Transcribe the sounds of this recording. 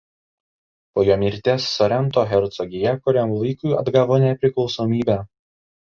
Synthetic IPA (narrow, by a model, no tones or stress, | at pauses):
poːjoːmʲiɾʲt̪ʲeːsːɔɾʲɛnt̪oːɣʲɛɾt̪sɔɡʲɪjɛkʊɾʲæmlˠɐɪkʊɪɐd̪ɡɑːʋoːnʲɛpʲɾʲɪklˠɒʊsoːmʲiːbʲæː